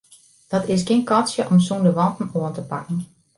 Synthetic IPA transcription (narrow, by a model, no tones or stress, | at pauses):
d̥ɔtɪs̬kɪnkɔsjəʔɔmsundəʋɔntn̩oəntəpakn̩